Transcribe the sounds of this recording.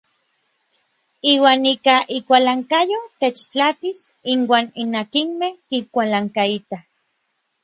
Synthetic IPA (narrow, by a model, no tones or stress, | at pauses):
iːwaːnikaʔikʷalaŋkajot̪et͡ʃt͡ɬat̪isinwaːninakinmehkikʷalaŋkait̪ah